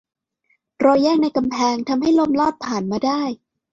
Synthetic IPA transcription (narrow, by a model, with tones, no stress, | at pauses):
ɾɔː˧jːɛː˥˩k̚na˧jka˧mpʰɛː˧ŋt̪ʰa˧mha˥˩jlo˧˥˨mlɔː˥˩t̪̚pʰaː˩nmaː˧daː˥˩j